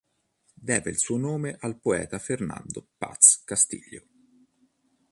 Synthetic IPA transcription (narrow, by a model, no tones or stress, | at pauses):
d̪ɛːveilsuːonoːmeʔalpoɛ̰ːt̪aferna̰nd̪opa̰t̪skast̪ḭʎːo